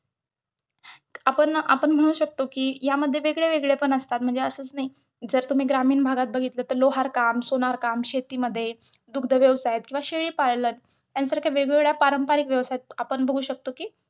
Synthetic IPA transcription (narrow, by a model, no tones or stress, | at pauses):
apəɳa̰pəɳm̤əɽ̃uːɕək̚t̪okiːjaməd̪ʱːjeʋeɡɭeʋeɡɭepəɳəst̪at̪̚m̤əɳd͡zeəsəːt͡snai | d͡zəɾt̪um̤iːɡɾamiːnbʱaɡat̪̚bəɡʱit̪ləːt̪əɾloɦaɾkamsoñaɾkamɕet̪iːməd̪ʱːje | d̪ukʰd̪ʱəʋjəʋsajt̪̚kĩʋaɕeɭiːpaɭlən | t̪jansəɾkʰaʋeɡɡɭjapaɾəmpaɾikʋjəʋsajet̪̚apəɳbʱəɡʱuːɕək̚t̪okiː